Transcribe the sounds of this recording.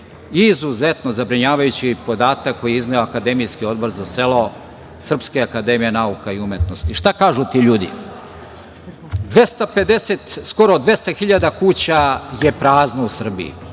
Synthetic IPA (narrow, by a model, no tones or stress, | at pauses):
izuzet̪nozabɾiɲaːʋajut͡ɕipo̞d̪aːt̪akːo̞jiiznajoakad̪emijskio̞d̪bo̞ɾzase̞lo̞ | sr̩pskeakad̪emije̞naukaiumjet̪no̞st̪iʃt̪akaːʒut̪iʎuːd̪ḭ | d̪ʋest̪ape̞d̪eset̪sko̞ɾod̪ʋe̞st̪axiʎad̪akuːt͡ɕaje̞pɾaːznousr̩bḭḭ